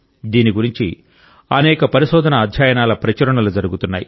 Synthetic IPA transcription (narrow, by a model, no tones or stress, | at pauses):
d̪iːniɡuɾiɲt͡ʃi | ɐnɛːkɐpɐɾiʃɔːd̪ɐnɐːd̪ʱjaːjɐnaːlɐpɾɐt͡ʃɐɾɐɳɐlud͡ʒɐɾuɡut̪unːa̰ːji